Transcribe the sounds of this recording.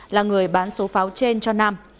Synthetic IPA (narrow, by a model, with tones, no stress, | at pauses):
laː˨˩ŋɨ˨˩əjɓaː˨˦nso˨˦faː˨˦wt͡ɕe˧nt͡ɕɔ˧naː˧m